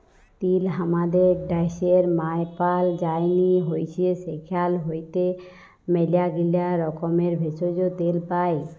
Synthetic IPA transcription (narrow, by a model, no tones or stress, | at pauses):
t̪ilɦamad̪eɖajʃeɾmajpald͡ʑajniɦojt͡ɕʰiesekʰalɦojt̪e | melijaɡilaɾɔkomeɾbʱesod͡ʑot̪elpaj